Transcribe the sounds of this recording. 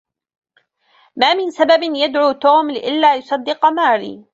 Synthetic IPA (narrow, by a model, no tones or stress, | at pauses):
maːmɪnsababɪnjad̪ʕuːt̪uːmlɪʔɪlːaːjʊsˤɑd̪ːɪqmaːɾḭː